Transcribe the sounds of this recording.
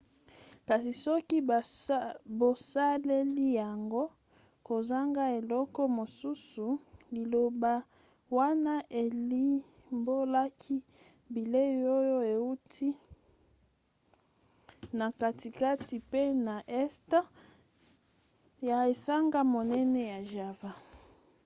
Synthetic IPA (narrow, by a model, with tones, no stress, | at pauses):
ka˨si˨sɔ˦ki˦˨ | bo˨sa˦le˦li˦ja˨ŋɡo˦ | ko˨za˦ŋɡa˦e˨lɔ˦kɔ˦mo˨su˦su˨li˨lo˨ba˦ | wa˦na˦ʔe˨li˦ | mbo˦la˦kʰi˦ | bi˨le˦jo˦jo˦e˨u˦tʰi˦ | na˨ka˨ti˨ka˦ti˨pe˦na˨ʔɛ˦sta˦ | ja˨e˨sa˦ŋɡa˦mo˨nɛ˦nɛ˦ja˨ʒa˨va˦